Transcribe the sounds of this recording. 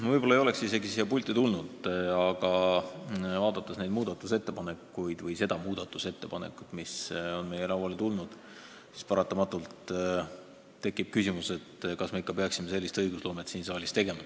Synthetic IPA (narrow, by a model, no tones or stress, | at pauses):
vɤjb̥olɑejo̞le̞ksise̞ɡisiɑpulʲt̪ːˑit̪ulnud̪̥ɑɡ̥ɑ | vɑːd̪̥ɑt̪ːˑesne̞jd̪muːd̪̥ɑt̪ːˑuse̞t̪ːe̞pɑne̞kːˑujd̪̥vɤjse̞d̪ɑmuːd̪̥ɑt̪ːˑuse̞t̪ːe̞pɑnḛkːˑut̪miso̞nme̞jeɾɑwɑlet̪ulnud̪̥ | si̥spɑɾɑt̪ːˑɑmɑt̪ːˑult̪ | e̞kːˑib̥̚kysimuse̞t̪kɑsme̞ikːˑɑpeɑksime̞se̞lːist̪ɤjɡ̥uslo̞ːmet̪siːnsɑːlʲist̪e̞ɡ̥e̞mɑ